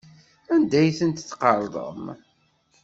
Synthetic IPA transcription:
ænd̪æjθənt̪θːqɑɾˤðˤə̰m

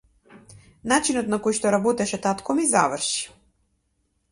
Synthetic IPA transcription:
nat͡ʃinɔt̪nakojʃt̪ɔɾabɔt̪ɛʃɛt̪at̪kɔmiza̰vəɾʃi̥

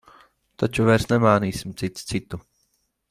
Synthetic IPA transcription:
t̪at͡ʃuvɛɾsnɛmaːniːsimt̪sit̪st̪sit̪ːu

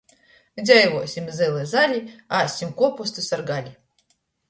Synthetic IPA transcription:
dʲajvɔsʲimʲzɨlˠɨzalʲiasʲimkɔpɔst̪ɨsɐrɡalʲi

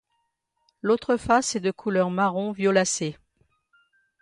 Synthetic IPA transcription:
lot̪χəfased̪əkʰulœʁmaʁɔ̃vjɔlase

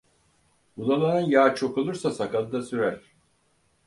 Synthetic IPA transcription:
bulˠanˠaɾɯnjaːt͡ʃʰo̞kolˠuɾsasakalˠɯd̪asyɾæɾ̥

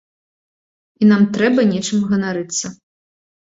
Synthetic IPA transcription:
inamt̪ɾɛbɐnʲɛt͡ʂɨmɣɐnaɾɨt̪sːɐ

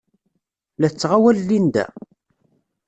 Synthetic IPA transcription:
læt͡sːʁawælːind̪æ̰

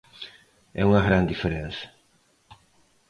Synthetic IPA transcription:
ɛ̰uŋɐɣɾãnd̪ifeɾẽnsɐ̥

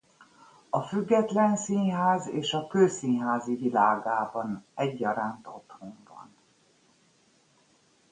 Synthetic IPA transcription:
ɒfyɡːɛt̪lɛnsinɦaːzeːʃɒkøːsinɦaːzivilaːɡaːbɒnɛɟːɒɾaːnt̪o̞t̪hoɱbɒ̰n

